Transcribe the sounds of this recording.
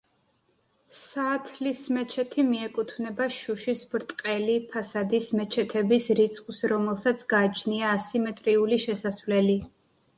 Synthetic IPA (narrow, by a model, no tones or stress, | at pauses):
saːt̪ʰlismɛt͡ʃʰɛt̪ʰimiɛkʼut̪ʰvnɛbaʃuʃisbɾt̪ʼqʼɛlipʰasad̪ismɛt͡ʃʰɛt̪ʰɛbisɾit̪sʰʼqʼsɾɔmɛlˠsat̪sʰɡaːt͡ʃʰniaːsimɛt̪ʼɾiuliʃɛsasvlɛli